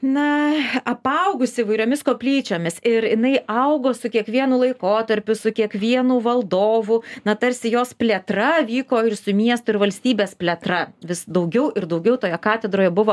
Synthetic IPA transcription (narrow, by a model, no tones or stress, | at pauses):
nɐɐpɐʊɡʊsʲɪiːʋɐɪɾʲoːmʲɪskoːpʲlʲiːt͡ʃʲoːmʲɪsɪɾjɪnɐɪʔɐʊɡoːsʊkʲiɛkʋʲiɛnuːlˠɐɪkoːt̪ɐɾʲpʲʊsʊkʲiɛkʋʲiɛnuːʋɐlˠd̪oːʋʊnɐt̪ɐɾʲsʲɪjoːspʲlʲet̪rɐʋʲiːkoːɪrsʊmʲiɛst̪ʊɪrʋɐlʲsʲt̪ʲiːbʲeːspʲlʲɛt̪ɾɐʋʲɪsd̪ɐʊɡʲɛʊʔɪɾd̪ɐʊɡʲɛʊt̪oːjɛkɑːt̪ʲɛd̪ɾoːjɛbʊʋoː